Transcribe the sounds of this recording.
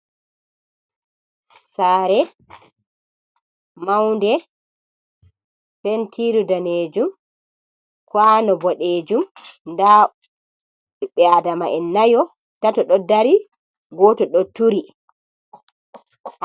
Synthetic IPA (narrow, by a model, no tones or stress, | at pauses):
saːɾɛ | mawndɛ | fentʰiɾudaneːd͡ʒum | kwanɔbɔɗeːd͡ʒumnda | iɓɛadamaʔɛnːajɔ | tatɔɗɔdaɾi | ɡɔtɔɗɔtuɾi